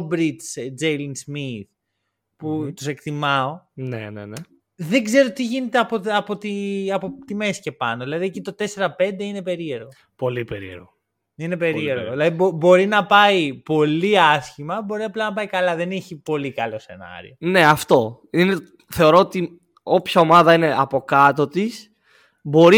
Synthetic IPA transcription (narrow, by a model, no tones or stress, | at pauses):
obɾit͡sd͡zejlinzmiθ | put̪use̞kt̪imɐo̞nḛnḛne | ðeɡze̞ɾo̞t̪iʝine̞t̪eɐpoɐpo̞t̪iɐpot̪ime̞si̥ce̞pɐnoðilɐðiecit̪o̞t̪e̞se̞ɾɐpe̞nd̪e̞ine̞pe̞ɾieɾɣo | po̞lipḛɾḭḛɾɣo | inepe̞ɾieɾɣoðilɐðibobo̞ɾinɐpɐipo̞liɐsçimɐbo̞ɾiɐplɐnɐp̬ɐikɐlɐðe̞niçipo̞likɐlo̞se̞̰nɐ̰ɾḭo̞ne̞ɐft̪o̞ | ine | θe̞oɾo̞ot̪i | o̞pçɐo̞mɐðɐine̞ʔɐpo̞kɐt̪o̞t̪is | bo̞ɾi